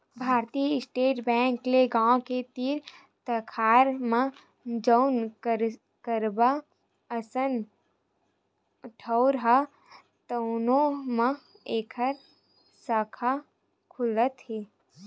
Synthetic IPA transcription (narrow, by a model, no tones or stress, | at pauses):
bʱaːɾt̪ijəɪsʈeːʈbɛ̃ːŋkleɡãːõket̪iɾ | t̪əkʰaːɾmã | d͡ʒəʊnkəɾ | kəɾba | əsən | ʈʰəʊɾɦa | t̪əʊnõmə̃ | eːkʰəɾ | sakʰa | kʰʊlət̪ɦeː